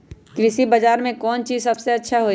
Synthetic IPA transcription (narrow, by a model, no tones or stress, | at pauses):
kɾɪsibəd͡ʒaːɾmẽkɔːnt͡ʃiːzsɐbseɐtːʃʰaɦoː